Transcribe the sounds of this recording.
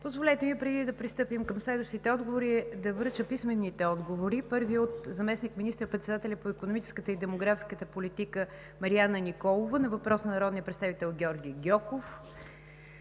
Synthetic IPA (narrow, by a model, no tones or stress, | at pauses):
pozvolʲɛt̪ɛmipɾɛd̪id̪ɐpɾist̪ɤpimkɐmslɛd̪vəʃt̪it̪ɛɔd̪ɡovoɾid̪ɐvəɾt͡ʃəpismɛnːit̪ɛɔd̪ɡovoɾipɤɾviot̪zɐmɛsnikminist̪ɾəpɾɛt̪sɛd̪at̪ɛlʲɐpoikonomit͡ʃɛ̥skət̪əid̪ɛmoɡɾafskət̪əpolit̪ikə | mɐɾianənikɔlˠovənɐvɐpɾɔsnɐnɐɾɔd̪nijəpɾɛtst̪avit̪ɛlˠɡʲɔɾɡʲijɡʲɔkof